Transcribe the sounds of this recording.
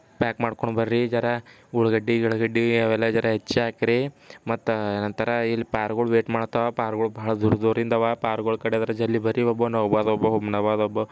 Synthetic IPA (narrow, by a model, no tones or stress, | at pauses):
paːkmaːɽkoɳɖbɐɾɾid͡ʒɐɾɐ | uɭɡɐɖːiuɭɡɐɖːijaːʋɛlːad͡ʒɐɾɐɦet͡ʃːeaːkiɾi | mɐt̪ːenɐnt̪ɐɾɐilːipaːɾɡoɭuʋeːʈmaːɽt̪ɐʋapaːɾɡɐɭubɐɦɐɭɐd̪uɾɐd̪uːɾind̪ɐʋapaːɾɡoɭkɐɽed̪ɐɾɐd͡ʒɐlːibɐɾiɔbːonɐʋbaːd̪ɔbɐɦobnɐʋaːd̪ɔbːo